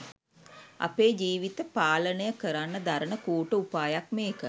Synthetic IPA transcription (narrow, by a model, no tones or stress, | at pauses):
a̰peːd͡ʒiːʋit̪əpaːlənəjəkəɾanːəd̪aɾənəkuːʈəupaːjakmeːkə